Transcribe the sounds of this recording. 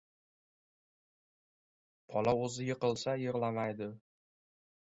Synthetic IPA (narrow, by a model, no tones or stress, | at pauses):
pʰɒlaɵzɪjɪqɨlˠsajɪʁlamajd̪ɪ